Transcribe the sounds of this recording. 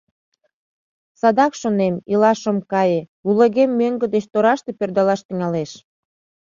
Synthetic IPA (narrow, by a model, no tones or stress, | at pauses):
sɑd̪ɑkʃonemilɑʃəmkɑjeuleɣemːøŋɡə̆d̪et͡ɕt̪oɾɑʃt̪e̽pørd̪ɑlɑʃt̪iŋɑleʃ